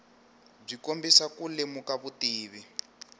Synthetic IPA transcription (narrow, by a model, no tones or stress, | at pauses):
b͡ʐikombisakulemukaβutiːβi